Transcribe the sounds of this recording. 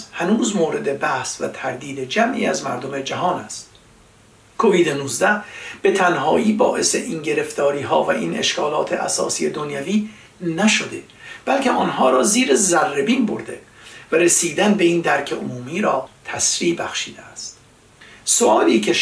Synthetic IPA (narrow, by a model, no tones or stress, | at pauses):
hænuːzmoːɾe̞d̪e̞bæhsvæ̰t̪ʰæɾd̪iːd̪ed͡ʒæmʔḭːæzmæ̰ɾd̪ome̞d͡ʒæɦɒːnæst̪ | kʰo̞viːd̪enuːzd̪æhb̥e̞t̪ʰænɦɒːʔiːbɒːʔe̞se̞̰ʔiŋɟe̞ɾe̞ft̪ɒːɾiːɦɒ̰ːvæʔiːnʔe̞̰ʃkʰɒːlɒːt̪ʰeʔæ̰sɒ̰ːsiːed̪o̞njæviː | næʃod̪e̞ | b̥ælcʰe̞ʔɒːnɦɒːɾɒːziːɾezærːebiːnbo̰ɾd̪e̞̰ | væɾesiːd̪ænbe̞iːnd̪æɾcʰeʔomuːmiːɾɒːt̪ʰæsɾiːbæxʃiːd̪eæst̪ | soʔɒːliːcʰe